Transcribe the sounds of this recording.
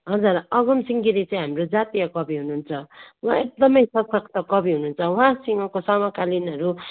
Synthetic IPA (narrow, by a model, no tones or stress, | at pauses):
ɦʌd͡zurʌɡʌmsiŋɡiɾit͡saĩɦamrod͡zat̪ijʌkʌbiɦunuːnt͡sʰʌwãek̚d̪ʌmʌjsʌkʰʌkʰt̪ʌkʌbiɦununt͡sʰʌwɦãsiŋɡʌkosamʌkalinɦʌɾu